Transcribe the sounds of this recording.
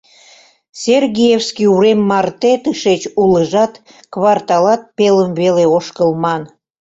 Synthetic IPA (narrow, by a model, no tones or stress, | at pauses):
serɣʲijefskiuɾemːɑrt̪et̪ɨʃet͡ɕuləʒɑt̪ | kβɑrt̪ɑlɑt̪̚peləmβeleoʃkəlmɑn